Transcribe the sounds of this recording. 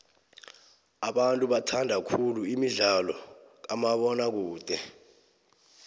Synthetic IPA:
aɓantʼuɓatʰandʱakʰuluimiɮalɔk̬amaɓɔnak̬uːtʼɛ

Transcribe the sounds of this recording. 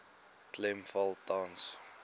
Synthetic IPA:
klɛmfalˠtɑ̃ːns

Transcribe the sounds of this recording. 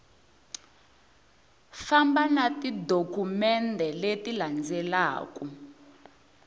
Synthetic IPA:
fambanatidokumɛndʱɛletiland͡zɛla̰ːku

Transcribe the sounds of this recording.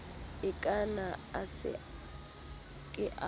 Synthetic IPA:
ɪkʼanaasɪ̰ | kʼɪʔa

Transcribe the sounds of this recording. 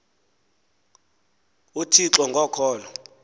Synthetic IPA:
utʰiǁɔŋɡʱɔkʰɔːlɔ

